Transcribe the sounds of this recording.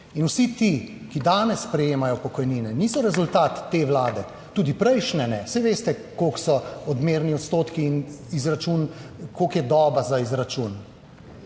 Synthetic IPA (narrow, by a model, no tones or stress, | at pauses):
inusit̪i | kid̪aːnɛsːpɾɛjeːmajɔpɔkɔjniːnɛniːsɔɾɛzult̪aːt̪ːeːʋlaːd̪ɛ | t̪uːd̪ipɾɛjʃnɛnɛsɛʋeːst̪ɛkoksɔɔd̪meːɾniɔt̪st̪oːt̪kiːnizɾat͡ʃunkokjɛd̪ɔːbazaizɾat͡ʃun